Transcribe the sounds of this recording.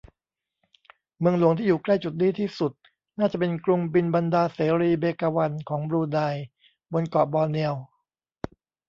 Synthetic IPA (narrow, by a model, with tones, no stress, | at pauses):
mɯ˧əŋlu˩˦əŋt̪ʰiː˥˩juː˨˩kla˥˩jt͡ɕu˨t̪̚diː˧˥t̪ʰiː˥˩su˨˩t̪̚ | naː˥˩t͡ɕa˨˩ʔpe˧nklu˧ŋbi˧nba˧ndaː˧seː˩˦ɾiː˧beː˧kaː˧wa˧nkʰɔː˩˦ŋbɾuː˧daː˧j | bo˧nkɔː˨˩bɔː˧ni˧əw